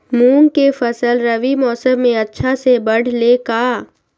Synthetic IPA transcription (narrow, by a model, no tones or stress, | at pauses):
muːnkefɐsəlɾɐʋimɔːsəmːẽɐtːʃʰasebɐɽ̤lekaː